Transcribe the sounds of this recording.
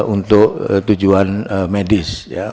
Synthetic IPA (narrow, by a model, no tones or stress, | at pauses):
unt̪ʊʔt̪ud͡ʒuanmedɪsja̰